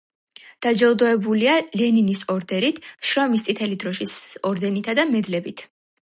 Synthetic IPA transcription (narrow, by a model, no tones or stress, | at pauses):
d̪̥ad͡ʒɛlˠd̪ɔɛbulialɛninisɔɾd̪ɛɾit̪ʰʃɾɔmist̪sʼit̪ʰɛlid̪ɾɔʃisɔɾd̪ɛnit̪ʰad̪amɛd̪lɛbit̪ʰ